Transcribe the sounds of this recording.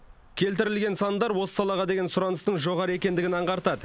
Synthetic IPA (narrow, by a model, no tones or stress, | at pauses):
kʲʰe̞lt̪̬ɪɾɪlɡʲe̞nsɑnd̪ɑɾwo̞sə̥sɑlˠɑʁɑd̪e̞ɡʲe̞nsʊɾɑnəst̪əɴʒo̞ʁɑɾəe̞kʲe̞nd̪ɪɡʲɪnɑɴʁɑɾt̪ɑd̪ə